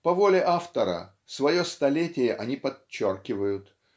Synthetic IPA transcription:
pɐvolʲɪʔaft̪əɾə̰ | svɐjost̪ɐlʲetʲɪjəʔɐnʲipɐːorkʲɪvəjʊt̪

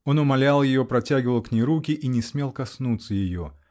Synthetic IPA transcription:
o̞nʊmɐlʲalˠjɪjo̞pɾɐtʲæɡʲɪvəlˠknʲejɾukʲɪʔinʲɪsmʲe̞lˠkɐsnut̪səjɪjo̞̰

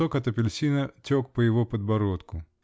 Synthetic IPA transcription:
ɔkɐt̪ɐpʲɪlʲsʲinɐtʲɔk̚pɐjɪʋɔpɐd̪̚bɐɾɔt̪kʊ

